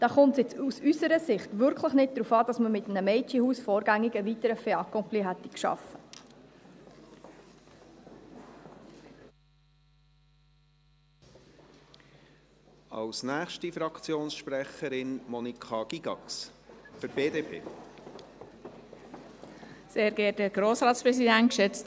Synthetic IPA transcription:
d̥ɑːχʊntsjɛt͡susysəɾəsɪχt̪ʋʏɾkʰləχnɪt̚d̥̪ɾufɑːd̥ɑsməmɪt̪ənəmɛɪt͡ʃihuːsfɔːɾɡæŋːiɡəvitəɾəfeɑkɔmpliɦɛt̪ːi̥kʃɑ̰fə | ɑ̰lsnæːχʃtifɾɑkt͡sjoːnsʃpɾɛχəɾɪnmɔnikʰχɑɡ̥iɡ̥ɑ̰ksfɨɾb̥eːd̪eːpʰḛː | seːɾɡ̥ɛːɾd̥əɡ̥ɾoːsɾɑːt̪spɾɛsidæntʃɛt͡st

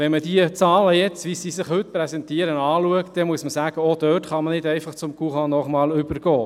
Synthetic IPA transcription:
ʋɛnmədiət͡sɑːləjɛt͡sʋiːsiːsɪχhɵtprɛsɛntiːəɾənɑːluəktd̥ɛmuəsməsæːɡ̥əɔd̥œːtχɑmənɪdɛɪfɑχt͡sʊmkuχɑnɔχmɑːlʏbəɾɡ̥ɔː

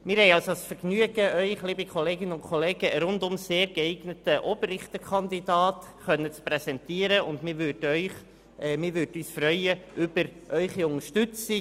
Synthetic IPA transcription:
mɪːɾhɛɪɑlsosfɛɾɡnyəɡəʔœʏχliːbikʰɔleːɡɪnəʊnkʰoleːɡ̥əɾʊndʊmseːɾɡɛɪɡnətəʔoːbərɪχt̪əkʰɑndidɑːtχœnːət͡spɾɛsɛntiːəɾəʊndmɪɾʋøɾdœʏχ | ɛmɪɾʋʏːɾdyːsfɾœʏəʔʏbəɾʔœʏχiʊŋəʃtʏt͡si

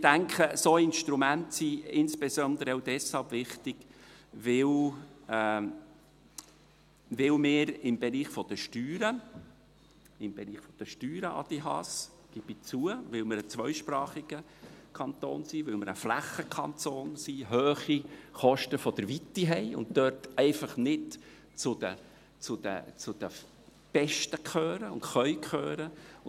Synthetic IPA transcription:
d̥æŋkʰəsoɪnʃt̪ɾumæntsiɪnspɛzɔnd̪əɾəɛwdɛshɑlbvɪχtɪɡ̥vɪl | vɪlmɪːɾɪmbeɾiːχfɔd̥əʃtyːɾə | ɪmbɛɾiːχfɔd̥əʃtyːɾəʔɑ̰d̥̪iɦɑ̰s | ɡ̥ib̥it͡suəvɪwmɪɾət͡svœʏʃpɾɑːχiɡ̥ə | kʰɑnt̪o̰ːnsivɪlmɪɾəflæχːəkʰɑntoːnsiɦøːχiχɔʃtəfɔd̥̪əɾvitːiɦɛɪʊ̰nttœrtɛɪfɑχnɪt | t͡sʊd̥̪ə̰ | t͡sʊd̥̪ə̰t͡sʊd̥̪ə | b̥ɛʃtəkχøːɾəʊ̰ntχœʏkχøːɾə

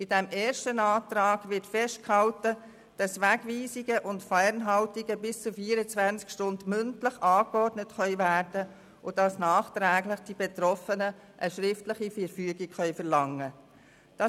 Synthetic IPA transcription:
ɪdɛmeːɾʃtənɑːtɾɑːɡ̥ʋɪtfɛʃt̚khɑltə | d̥ɑsʋæɡviːsiɡəʔʊntfænɦɑltiɡəbɪst͡sufiːəɾət͡sʋænt͡skʃtʊndmʏntləχʔɑːkɔrdnətχœʏvæːrdə | ʔʊdɑsnɑːχtɾæːɡləχd̥ibetɾɔfənə | ʔəʃɾɪftləχifɛɾfyəɡikχœʏfɛɾlɑŋːə | d̥ɑ

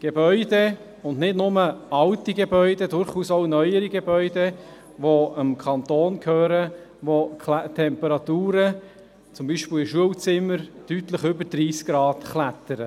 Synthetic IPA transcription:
ɡ̥ebœʏde | ʊndnɪdnʊməɑltiɡebœʏdedʊɾχuːsɔʊnœʏəɾiɡebœʏdɛ | ʋoəmkʰɑnt̪oːnkʰhøːɾəʋokʰlt̪ʰɛmpəɾɑt̪uːɾə | t͡sʊmbiːʃpɪlɪʃuəwt͡sɪmːəɾtyt̪ləχʏbəɾdɾiːskɡ̥ɾɑːtχlæt̪əɾə

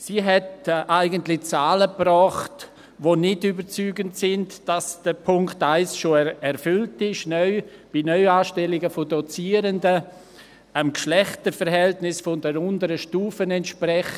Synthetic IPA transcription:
siːɦɛtʔaɪɡəntlɪt͡saːləprɔːχt | voːnɪdybəɾt͡syːɡəntsɪndd̥asd̥əpʰʊŋktaɪsʃoɛɾfʏltɪʃnœʏb̥inœʏaːʃtɛlɪɡəfodɔt͡siːəɾəndə | amkʃlɛχtəɾfəɾɦɛltnɪsfɔndɛɾʊndəɾəʃtuːfənɛntʃpɾɛχ

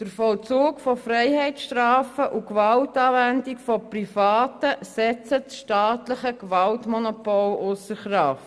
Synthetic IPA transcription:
d̥əɾfɔlt͡suːkfɔfɾɛɪhɛɪtsʃtraːfəʔukʋɑltɑːvændikfɔprifɑːtəsɛt͡sət͡sʃtaːtləχəkʋɑltmɔnɔpɔlʊsəɾχrɑft

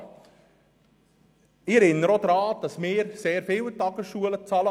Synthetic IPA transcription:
ɪɛɾɪnːəɾod̪ɾɑːd̥ɑsmɪːɾseːɾfɪːwtɑɡəsʃuələt͡sɑlə

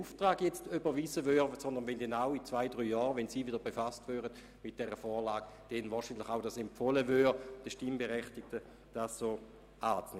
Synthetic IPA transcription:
uftʁaːɡjɛt͡stybəʋiːzəʋøːʁəsɔndənʋɛndɛnawit͡svaɪdʁyːjɔːʁʋɛnsiːvɪdɐbefastʋøːʁəd̥ | mɪt̚d̥ɛʁəfɔːʁlaːɡ̥ | d̥envaːʃiːnlɪχaʊdasɛmpfoləvøːd̥əʃtimbeʁɛχtɪk̚tə | d̥assoː | aːt͡sne

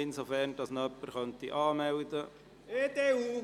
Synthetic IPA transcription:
ɪnsofɛɾnd̥ɑsnœpːəɾχœnt̪iʔɑːmɛwd̪ə | ed̪eu

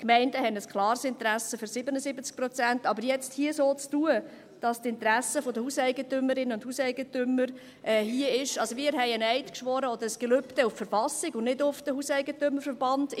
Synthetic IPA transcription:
kmɛɪndəhɛnəskʰlɑːɾsɪnt̪ɾæsəføɾsɪbənəsɪbət͡sk̚pɾɔt͡sæntɑbəɾjɛt͡sthiəsoːt͡stuə | d̥ɑstɪntɾæsəfod̪əhusɛɪɡətʏməɾɪnːəʊnd̥huːsɛɪɡətʏmːəɾ | ʔɛːhiəɪʃɑlsoʋɪːəɾɦɛɪənɛɪtkʃʋɔɾəɔd̪əɾəsɡ̥ɛlʏptəʊffəɾfɑsɪɡʊnnɪdʊfd̥əhusɛɪɡətʏməɾfəɾbɑnd̥

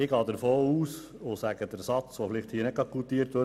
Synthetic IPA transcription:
ɪɡɑːd̪əɾfoːuːs | ʊsæɡəd̥̪əɾsɑt͡sʋofɪlɪχthiːəɾnɪt̚kɑkult̪iːəɾt̪ʋø

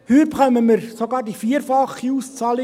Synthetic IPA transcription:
hyːpχœməməɾsoɡɑːɾdifiːəɾfɑχiuːst͡sɑːli

